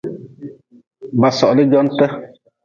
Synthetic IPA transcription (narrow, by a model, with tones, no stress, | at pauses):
ba˨sɔ˨ʔlə˦d͡ʒɔ˦ntə˦